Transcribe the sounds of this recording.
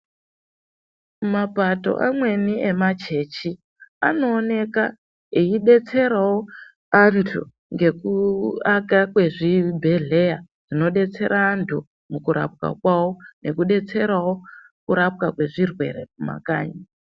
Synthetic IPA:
mapato̞̰ʔa̰mwe̞nie̞mat͡ʃe̞t͡ʃi | ano̞ːne̞ka | eiɗe̞t͡se̞ɾawo̞ | antʰṵ | ŋɡe̞kuakakwe̞ʐibʱe̞ɮe̞ja | ʐ̥ino̞ɗe̞t͡se̞ɾʔaːntʰu | mukuɾʔa̰p̚ka̰kwawonʔe̞kuɗe̞t͡se̞ɾawo̞ | kuɾap̚kakwe̞ʐirwe̞̰ɾepuma̰ka̰ːɲa

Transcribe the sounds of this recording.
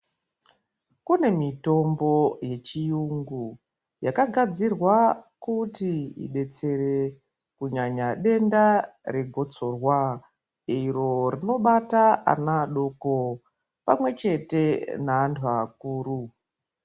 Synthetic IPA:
kune̞mito̞mbo̞je̞t͡ʃijuŋɡu | jakaɡʱad͡zirwakutiḭɗe̞t͡se̞re̞ | kuɲaɲaɗe̞ndare̞ɡʱo̞t͡so̞rwa | iɾo̞rino̞ɓataa̰naːɗo̞ko | pamwe̞t͡ʃe̞te̞naːntʰuak̚uːɾu

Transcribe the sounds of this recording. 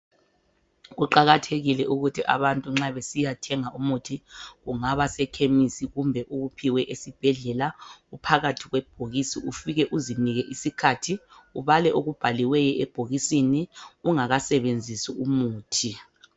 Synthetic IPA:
ɣuǃaɣatʰeɣilɛʔuɣutʰiʔa̰βantʼuŋ͡ǁaβesijatʰɛŋaʔumutʰiɣuŋaβasɛkʰemisiɣumbʱɛʔuɣupʰiwɛʔesib̥ʱɛɮɛlaupʰaɣatʰiɣwɛb̥ʱoɣisiufiɣɛʔuziniɣɛʔisikʰatʰiuβalɛʔoɣub̥ʱaliwɛjɛɛb̥ʱoɣisiniuŋaɣasɛβend͡zʱisiumuːtʰi

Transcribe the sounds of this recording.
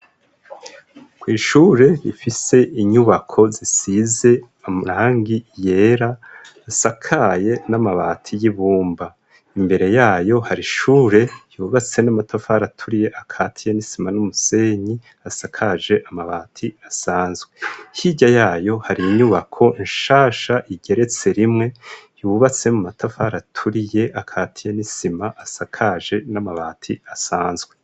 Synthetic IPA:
kwiːʃuɾe̞βifise̞ʔiɲuβakʰo̞zisize̞ | amuɾaːŋɡije̞ːɾaː | sakʰaje̞namaβa̰ːtʰijiβuːmba | imbe̞ɾe̞jaːjo̞haɾiʃuːɾe̞juβat͡se̞namatʰafaɾatʰuɾije̞ʔakʰaːtʰijenisimanumuse̞ɲi | asakʰaʒe̞ʔamaβaːtʰiasaːnzɡwehiɟajaːjo̞haɾiɲuβakʰo̞ʔiɲʃaːʃaʔiɟe̞ɾe̞t͡se̞ɾimŋe̞juβat͡se̞mumatafaɾatʰuɾije̞ʔakʰatʰijanisimaʔasakʰaʒe̞namaβatʰiasaːnzɡwe̞

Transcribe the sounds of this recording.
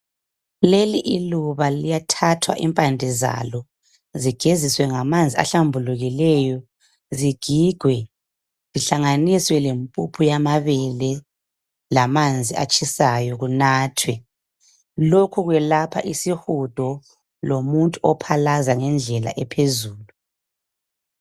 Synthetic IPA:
leliʔiluβalijatʰatʰwa̰ʔimpʼandʱɛza̰lɔ | ziɡ̥ʱeziswɛŋamand͡zʱia̰ɬambʱuluɣilɛjɔ | ziɡ̥ʱiɡ̥ʱwɛ | z̥iɬaŋaniswɛlempʼupʰujamaβɛlɛ | lamand͡zʱia̰t͡ʃʼisajɔɣunaːtʰwɛ | lokʰuɣwɛlapʰaʔisihud̥ʱɔ | lomuntʼuɔpʰalazaŋɛnd͡ɮʱɛla̰ʔɛpʰezuːlu

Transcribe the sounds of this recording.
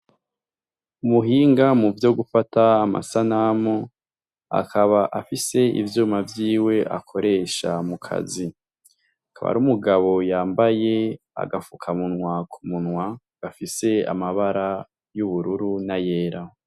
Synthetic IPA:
umuɦiːŋɡamuvjo̞ɡufataːma̰sanamo | a̰kʰaβaʔafise̞ḭvjuːmavjiːwe̞ʔa̰kʰo̞ɾe̞ʃamukʰa̰zi | akʰa̰βa̰ɾumuɡaβo̞jaːmbaje̞ | a̰ɡafukʰamunwakʰumunwa | ɡ̥afise̞a̰maβaɾa | juβuɾuɾunaje̞ːɾa

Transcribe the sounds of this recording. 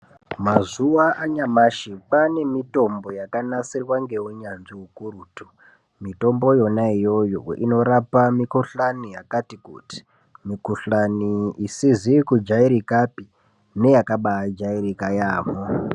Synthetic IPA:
mazuwaʔaɲamaʃipane̞mito̞mbo̞jakanasirwaŋɡe̞ɦuɲanʐiɦukuɾuːtu | mito̞mbo̞jo̞naijo̞joḭno̞ɾapamikuɬanijakatikṵti̥ | mikuɬaniisizikud͡ʒaiɾikapi | ne̞jakaɓaad͡ʒaiɾikajaːmo

